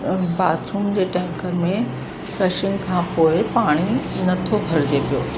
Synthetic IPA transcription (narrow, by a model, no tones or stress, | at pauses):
baːsuːmd͡ʑeːʈɛ̃ːŋkəɾmẽ | fɾɛːʃɪ̃ŋɡkʰãːpoːɪpaːɽ̃inɐt̪ʰobʱɐɾɪd͡ʑepijoː